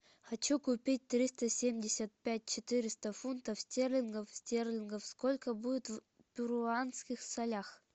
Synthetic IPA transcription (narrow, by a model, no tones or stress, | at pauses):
xɐt͡ɕukʊpʲit̚ʲt̪ɾʲist̪əsʲemʲdʲɪsʲət̪̚pʲæt̚ʲt͡ɕɪt̪ɨɾʲɪst̪əfunt̪əfsʲtʲerlʲɪnɡəfsʲtʲerlʲɪnɡəfskolʲkəbudʲɪt̪v | pʲʊɾʊanskʲɪxsɐlʲax